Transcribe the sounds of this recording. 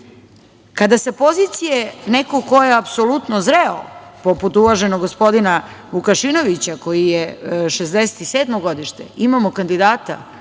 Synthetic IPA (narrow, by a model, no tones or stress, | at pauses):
kad̪asepo̞zit̪sijenekoko̞jeapsolut̪nozɾeo̰po̞put̪uʋaʒe̞noɡːospo̞d̪inaʋukaʃino̞ʋit͡ɕako̞jijeʃezd̪ese̥t̪iseːd̪mo̞ɡo̞d̪iʃt̪ḛimamo̞kand̪id̪aːt̪a̰